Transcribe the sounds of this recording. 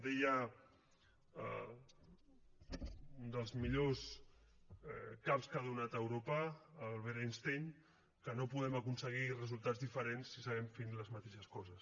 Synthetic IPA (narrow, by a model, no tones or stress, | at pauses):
d̪eja | und̪əlˠzmiʎos | ɛkapskaðunat̪əwɾopəːlˠβeɾinst̪eɲ | kənopuðɛməkunsəɣ̞irəzulˠt̪ad͡zzðifəɾensːisəɣɛmfenləzmat̪eʃəskɔzəs